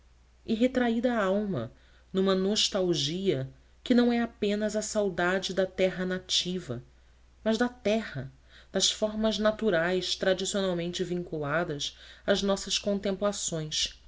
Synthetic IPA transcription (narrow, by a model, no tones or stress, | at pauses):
ɪɦet̪ɾaid̪ɐawmɐ̰ | nũmɐnoʃt̪awʒiɐ | kɪnɐ̃w̃ɛapẽnɐzɐsawd̪ad͡ʒɪd̪ɐt̪ɛɦɐnat͡ʃivɐ̰ | mɐzd̪ɐt̪ɛhɐ | d̪̥ɐsfɔɾmɐznat̪uɾajst̪ɾad͡ʒisionawmẽnt͡ʃɪvĩŋkulad̪ɐsɐznɔsɐʃkõnt̪ẽmplasõj̃s